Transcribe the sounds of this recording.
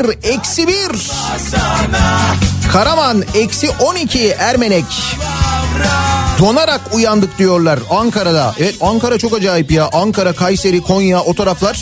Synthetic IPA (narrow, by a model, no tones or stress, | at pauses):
ɾɛcsibiɾ | kʰaɾamanɛcsiʔo̞nicʰiæɾmenɛc | d̪o̞naɾakujand̪ɯk̚d̪ijo̞ɾlˠaɾaŋkaɾad̪a̰ʔɛvɛt̪ʰaŋkaɾat͡ʃʰo̞kad͡ʒaːipjaʔaŋkʰaɾakʰajse̞ɾikʰo̞jjaʔo̞t̪ʰo̞ɾaflˠaɾ̥